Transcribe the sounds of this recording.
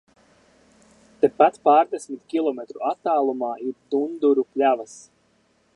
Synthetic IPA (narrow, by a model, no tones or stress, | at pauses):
t̪epat̪paːɾd̪esmit̪kʲilˠɔmet̪ɾuat̪ːaːlˠumaːiɾt̪und̪uɾupʲlʲavas